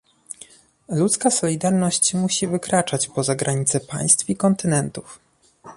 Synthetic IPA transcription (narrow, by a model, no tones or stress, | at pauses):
lut̪skasɔlʲid̪aɾnɔɕt͡ɕmuɕivɘkɾat͡ʂat͡ɕpɔzaɡɾʔaɲit̪sɛpa̰j̃st̪fikɔnt̪ɘnɛnt̪uf